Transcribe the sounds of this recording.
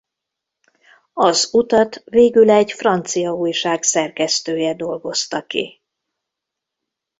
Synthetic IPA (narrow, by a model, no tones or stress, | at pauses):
ɒzut̪ɒt̪veːɡylɛɟfrɒnt̪sijɒuːjʃaːksɛrkɛst̪øːjɛd̪o̞lɡo̞st̪ɒkḭ